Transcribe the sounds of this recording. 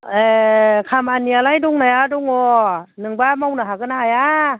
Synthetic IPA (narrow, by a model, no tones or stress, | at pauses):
ekʰamanialajduŋnajaduŋɔnɯŋbamawnaɦakɯnaaja